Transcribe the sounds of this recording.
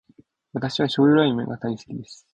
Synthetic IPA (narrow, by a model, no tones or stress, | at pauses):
βat̪aɕiβ̞aɕo̞ːɾɯɾaimḛŋɡat̪aise̥kʲid̪e̞sɨ̥